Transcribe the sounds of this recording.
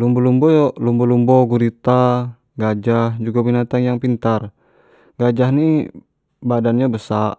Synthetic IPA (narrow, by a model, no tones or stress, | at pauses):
lumbɔlumbɔjɔlumbɔlumbɔɡuɾit̪a | ɡad͡ʒahd͡ʒuɡabinat̪aŋjaŋpint̪ar | ɡad͡ʒahni | badanɲabəsaʔ